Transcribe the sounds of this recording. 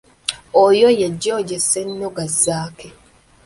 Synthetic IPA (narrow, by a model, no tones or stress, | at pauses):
ojojeɟːoːɟesenːoɡazːaːke